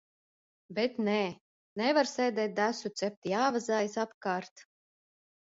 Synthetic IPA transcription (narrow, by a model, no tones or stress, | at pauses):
bet̪nɛː | nɛvaɾsɛjd̪ɛːt̪̚d̪æsut̪sɛp̚t̪ijaːvazaːjisapkaːɾt̪